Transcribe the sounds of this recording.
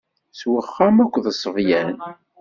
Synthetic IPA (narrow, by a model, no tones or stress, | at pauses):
swəχːæmækʷːðəsˤːəvjænn